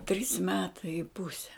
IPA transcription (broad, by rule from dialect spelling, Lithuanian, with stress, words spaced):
tʲrʲiːs ˈmʲæːtɐɪ ɪ ˈpʊsʲɛ